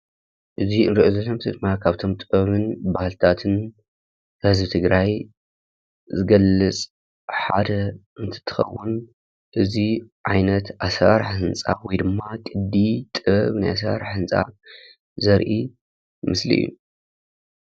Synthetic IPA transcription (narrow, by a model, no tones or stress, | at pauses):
ʔɨziɨnɾiʔozolomt̪ʰɨd̪ɨmːakʰaβt̪ʰo̞mt̪ʼɨbɐβɨnbahɨlt̪ʰat̪ʰɨn | hɨzbɨt̪ʰɨɡɾaj | zɨɡɐlːɨt͡sʼ | ħa̰d̪ɐʔɨnt̪ʰɨ̥t̪ʰːɨ̥xɐ̰wːʊn | ʔɨziʕajnɐt̪ʔasɾaɾħhɨnt͡sʼa̰wɔjd̪ɨmːakʼɨd̪ːit̪ʼɨβɐβnajas̬ɾa̰ɾħɨnt͡sʼa̰ | zɐɾʔi | mɨslḭjːṵ